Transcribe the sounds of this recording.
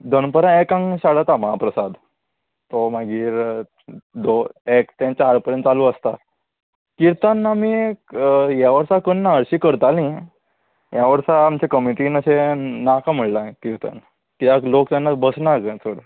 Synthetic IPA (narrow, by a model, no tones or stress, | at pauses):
d̪ʱənpəɾãekãŋɡɕaɽat̪aməɦapɾəsad̪ | t̪omaɡiːɾ | d̪oekt̪ẽt͡ɕaɾpəɾjənt̪t͡salũəst̪a | kiɾt̪ənːami | jaʋəɾsakənːaəɾɕiːkəɾt̪alĩ | jaʋəɾsaːmt͡ɕekəmiʈinəɕenakʰam̤əɽlãkiɾt̪ə̰n | kit̪aklokt̪janːabəsnaɡə̃soɽ